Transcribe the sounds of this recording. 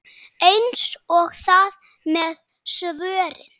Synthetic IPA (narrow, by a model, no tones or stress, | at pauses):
ejnsɔɣθað | mɛð | svœːɾɪ̰n